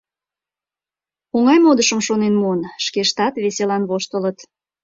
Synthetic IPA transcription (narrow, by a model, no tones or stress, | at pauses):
oŋɑjmod̪əʃəmʃonenmuənʃkeʃt̪ɑt̪βeselɑnβoʃt̪ələt̪